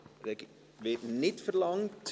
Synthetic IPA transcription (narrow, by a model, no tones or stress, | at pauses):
tɛk | vetnɛtfərlɐŋtʰ